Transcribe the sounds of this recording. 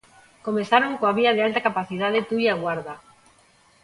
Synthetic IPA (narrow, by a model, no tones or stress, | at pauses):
komeθaɾoŋkoaβiaðealt̪akapaθiðaðet̪ujaɣwaɾða